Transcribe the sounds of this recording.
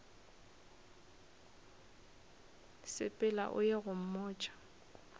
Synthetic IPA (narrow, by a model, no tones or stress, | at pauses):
sɪ̰pʼɪla̰ʔʊ̰jeɣʊm̩mɔːt͡ʃʼḁ